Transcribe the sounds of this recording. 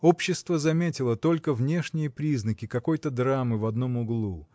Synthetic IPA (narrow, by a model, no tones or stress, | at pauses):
opɕːɪst̪vəzɐmʲetʲɪlˠət̪o̞lʲkəvnʲe̞ʂnʲɪjəpɾʲiznəkʲɪkɐko̞jt̪əd̪ɾamɨvɐd̪no̞mʊɡlˠu